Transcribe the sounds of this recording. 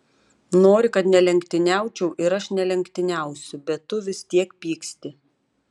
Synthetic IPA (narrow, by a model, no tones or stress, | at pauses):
noːɾʲɪkɐt̪nʲɛlʲɛŋkt̪ʲɪnʲæˑʊt͡ʃʲɛʊʔɪɾɐʃnʲɛlʲɛŋʲkt̪ʲɪnʲæˑʊsʲʊbʲɛt̪ːʊʋʲɪsʲt̪ʲiɛkpʲiːksʲt̪ʲɪ